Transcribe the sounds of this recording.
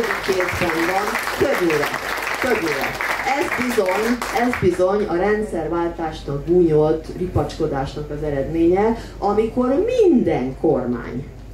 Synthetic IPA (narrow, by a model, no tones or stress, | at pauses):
ikeːzbɛnvɒnkødøːɾɛ̰kødyːɾɛ̰ɛzbizo̞ɲɛzbizo̞ɲɒɾɛnt̪sɛrʋaːlt̪aːʃnɒɡ̚ɡuːɲo̞t̪ːripɒt͡ʃko̞d̪aːʃnɒkɒzɛɾɛd̪meːɲɛ | ɒmiko̞rmind̪ɛŋkʰorma̰ːɲ